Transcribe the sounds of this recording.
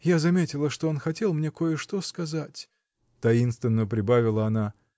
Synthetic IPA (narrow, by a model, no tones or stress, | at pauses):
jazɐmʲetʲɪlˠəʂt̪o̞o̞nxɐtʲe̞lˠmnʲe̞ko̞jəʂt̪oskɐzatʲ | t̪ɐinst̪vʲɪnːəpɾʲɪbavʲɪlˠəɐna